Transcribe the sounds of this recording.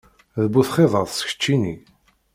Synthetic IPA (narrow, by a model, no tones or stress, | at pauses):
ðəbːuθχeðˤəðˤsçə̥t͡ʃːini